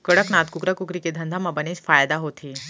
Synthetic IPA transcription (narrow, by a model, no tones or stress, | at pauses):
kəɽəknat̪kukɾakukɾiked̪ʱənd̪ʱamabənet͡ɕfajd̪aɦot̪ʰiː